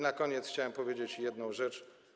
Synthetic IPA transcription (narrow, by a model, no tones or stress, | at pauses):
nakɔɲɛt̪sxt͡ɕawɛmpɔvʲjed͡ʑet͡ɕjɛd̪nɔ̃w̃ʐɛt͡ʂ